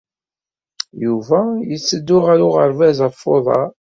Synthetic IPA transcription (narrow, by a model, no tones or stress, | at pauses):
juvæjət͡sːəd̪ːʊʁæɾʊʁəɾvæzəfːoðˤɑ̰